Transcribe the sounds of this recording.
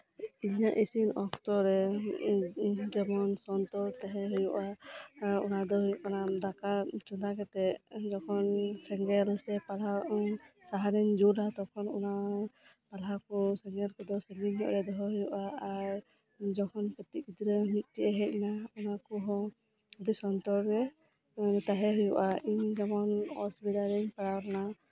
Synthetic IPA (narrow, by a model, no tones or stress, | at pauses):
iɲaʔisinɔkt̪ɔɾɛ | d͡ʒɛmɔnsɔnt̪ɔɾt̪ɛɦɛɦujuʔa | ṵnad̪ɔɦɔjuʔkanad̪akat͡ʃɔd̪akɛt̪ɛʔd͡ʒɔkʰɔnsɛŋɡɛlsɛpala | saɦaɾɛɲd͡ʒuɾat̪ɔkʰɔnunapalɦakɔsɛŋɡɛlkɔd̪ɔsɛŋɡiɲːɔ̰ʔɾɛd̪ɔɦɔɦujuʔaːɾ | d͡ʒɔkʰɔnpɔt̪ikid̪ɾəmit̪̚ˀtɛʔɛɦɛc̚naunakɔɦɔ | d̪isɔnt̪ɔɾɾɛ | t̪aɦɛɦujɔʔaʔiɲd͡ʒamɔnɔ̰sbitaɾiɲpaɽawɾna